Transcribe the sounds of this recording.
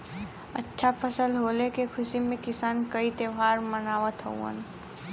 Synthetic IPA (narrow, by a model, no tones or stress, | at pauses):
ətːʃʰapʰəsəlɦoːlekekʰʊsimẽkɪsaːnkəit̪eʋʱaːɾmənaːʋət̪ɦə̰uə̰n